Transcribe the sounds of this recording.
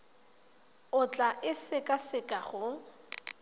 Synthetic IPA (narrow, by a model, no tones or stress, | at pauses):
ʊt͡ɬʼaʔɪsɪkʼasɪkʼaχʊ